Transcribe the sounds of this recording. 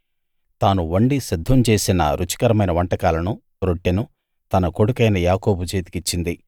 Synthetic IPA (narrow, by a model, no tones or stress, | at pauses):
t̪aːnuʋɐɳɖisid̪ʱːɐmt͡ʃe̞ːsinɐ̰ɾʔut͡ʃi̥kɐɾɐmɐjnɐʋɐɳʈɐkaːlɐnu | ɾoʈːinu | t̪ɐnɐko̞ɽukɐjnɐjaːko̞ːbut͡ʃeːt̪i̥kit͡ʃːind̪i